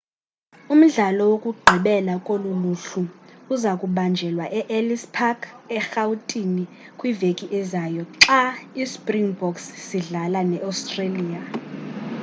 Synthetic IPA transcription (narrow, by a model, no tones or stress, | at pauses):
um̩ɮalɔwokʼuɡ͡ǃʱiɓɛlakʼoluluɬuuzakʼuɓand͡ʒʱɛlwaʔɛʔelispʰaɡɛxautʼini | kʼwivekʼiʔɛzaːjɔǁaispʼriŋbɔksːiɮalanɛʔawstʼreliːa